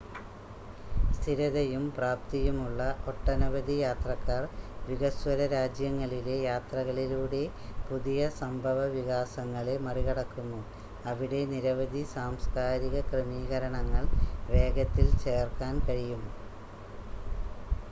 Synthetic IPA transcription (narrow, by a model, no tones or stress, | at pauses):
st̪ʰiɾɐðɐjumpraːp̚t̪ijumuɭːɐʔoʈːɐnɐʋɐd̪ijaːt̪rɐkːaːrʋiɣɐswɐɾɐɾaːd͡ʑjɐŋːɐɭile̞jaːt̪rɐɣɐɭiluːɽe̞ | puðijɐsɐmbʱɐʋɐʋiɣaːsɐŋːɐɭe̞mɐriɣɐɽɐkːunːu | ɐʋiɽe̞niɾɐʋɐd̪ʱisaːmskaːɾiɣɐkremiːɣɐɾɐɳɐŋːɐɭʋe̞ːɡɐt̪ːilt͡ɕeːrkaːnkɐɻijumː